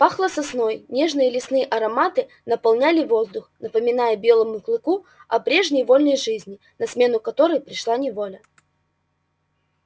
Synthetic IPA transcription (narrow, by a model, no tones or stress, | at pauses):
paxlˠəsɐsno̞jnʲe̞ʐnɨjəlʲɪsnɨjəʔɐɾɐmat̪ɨ | nəpɐlˠnʲælʲɪvo̞zd̪ʊxnəpəmʲɪnajəbʲe̞lˠəmʊklˠɨkuɐpɾʲe̞ʐnʲəjvo̞lʲnəjʐɨzʲnʲɪ | nɐsmʲe̞nʊkɐt̪o̞ɾəjpɾʲɪʂlˠanʲɪvo̞lʲə